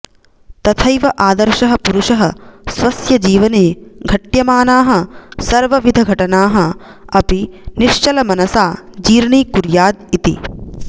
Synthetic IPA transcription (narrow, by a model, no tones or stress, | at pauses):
t̪ɐt̪ʰɐjʋɐʔaːd̪ɐɾʃɐɦɐ̆puɾuʂɐɦɐsʋɐsjɐd͡ʒiːʋɐneːɡʱɐʈjɐmaːnaːɦɐsɐɾʋɐʋid̪ʱɐɡʱɐʈɐnaːɦɐ̆ | ɐpiniʃt͡ʃɐlɐmɐnɐsaːd͡ʒiːɾɳiːkuɾjaːd̪̚it̪ḭ